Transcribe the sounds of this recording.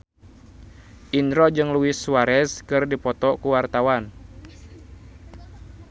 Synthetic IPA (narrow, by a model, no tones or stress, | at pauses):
ʔind̪ɾod͡ʒɨŋluɪsuwaɾɛskɨrdipɔt̪ɔkuwart̪awan